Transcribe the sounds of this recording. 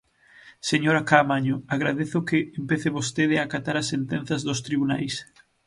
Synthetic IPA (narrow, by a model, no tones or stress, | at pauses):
seɲoɾakamaɲʊaɣɾaðeθʊkeːmpeθeβost̪eðeakat̪aɾasːent̪en̟θɐzðost̪ɾiβuna̰js